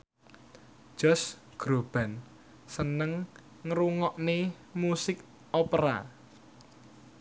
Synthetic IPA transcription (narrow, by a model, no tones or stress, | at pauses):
ʒ̥ɔ̤s | ɡ̥ɾob̥a̤n | sənəŋː | ɾuŋɔʔne | musɪk̚ | opɾa̰